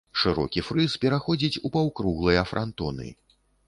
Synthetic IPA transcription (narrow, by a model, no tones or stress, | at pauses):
ʂɨɾɔ̰kʲifɾɨspʲɛɾaxɔd͡zʲit͡sʲupawkɾuɣlˠɨjɐfɾʔa̰nt̪ɔ̰nɨ̰